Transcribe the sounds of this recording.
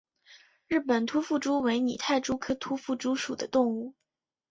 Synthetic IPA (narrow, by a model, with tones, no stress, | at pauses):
ɻɻ̩˥˩pə˨˩nt̪ʰu˥fu˥˩ʈ͡ʂu˥we˧˥ɪni˨˩t̪ʰa˥˩ɪʈ͡ʂu˥kʰɤ˥t̪ʰu˥fu˥˩ʈ͡ʂu˥ʂu˨˩d̪ə˦t̪ʊ˥˧ŋu˥˩